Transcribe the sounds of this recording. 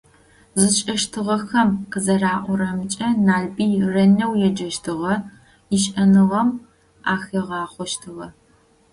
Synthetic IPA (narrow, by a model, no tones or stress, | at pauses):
zɨt͡ʃʼɐʃtʰɨʁɐxɐmqəzɐraːʔʷɔɾɐmt͡ʃʼɐnaːɮbiːrɐnɐwjɛd͡ʒɐʃtʰɨʁɐ | iʃʼʔɐnɨʁɐm | aːxɐʁɑːχʷɔʃtʰɨʁɐ